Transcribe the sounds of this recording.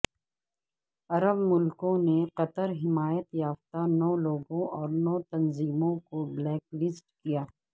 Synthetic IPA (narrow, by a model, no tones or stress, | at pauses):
ɐɾəbmʊlkõneqɐt̪əɾɦɪmaːjət̪jaːft̪anɔːloːɡõʔɔːɾnɔːt̪ɐnziːmõkoblɛːklɪsʈkijaː